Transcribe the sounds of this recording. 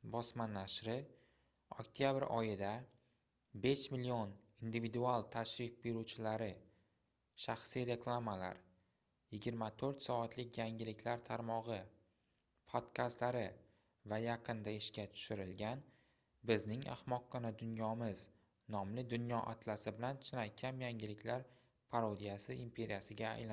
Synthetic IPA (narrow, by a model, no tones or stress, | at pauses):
bɒsmanːaʃɾɪ | o̰kt̪ʰijabɪɾʔɒjɪd̪a | be̞ʃmɪlːion | ind̪ivid̪ualˠt̪ʰaʃɾɪfbeɾut͡ʃʰɪlaɾɪ | ʃaχsijɾe̞kʰlˠamala̰ɾ | jɪɡʲɪɾmat̪ʰoɾt̪sɒat̪ʰlɪkʲʰjaŋʲɪlɪkʲʰlaɾt̪ʰaɾmɒʁɨ | pʰot̪kʰast̪laɾɪ | vajaqʰɨnd̪aɪʃkʲat̪ʰʊ̥ʃɪɾɪlɡʲan | bɪznɪŋa̰hmɒqːɒnad̪ʊnjɒmɪz | nɒmlɪd̪ʊnjɒʔa̰t̪ʰlasɪbɪlant͡ʃʰɪnajkʲʰamjaŋɡʲɪlɪkʲlaɾ | pʰaɾod̪ijasɪimpʰe̞ɾijasɪɡʲa̰ːjla